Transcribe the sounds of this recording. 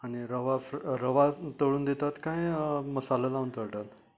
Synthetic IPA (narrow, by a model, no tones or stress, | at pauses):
aɽ̃iɾəʋafɾɾəʋat̪əɭuːnd̪et̪at̪kajməsalalaunt̪əɭʈat̪